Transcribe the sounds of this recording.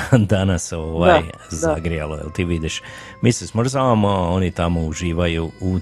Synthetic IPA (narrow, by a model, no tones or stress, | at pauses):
d̪anasoʋajzaɡɾijalojɛ̰lt̪iːʋid̪iʃ | misismoʒzaʋamoao̞nit̪amouʒiːʋajuu